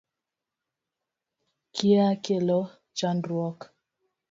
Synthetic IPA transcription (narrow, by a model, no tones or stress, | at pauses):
kiakelɔ | t͡ʃandɾwɔk